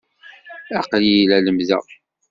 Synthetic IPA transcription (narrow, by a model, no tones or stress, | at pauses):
æqlilæləmzæ̰